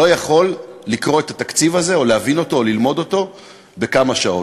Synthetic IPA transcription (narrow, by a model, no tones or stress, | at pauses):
o̞jaχo̞lːikʁo̞e̞tat̪akt͡sivaze̞o̞leavino̞t̪o̞ːlilmo̞do̞to̞ | be̞kamaʃao̞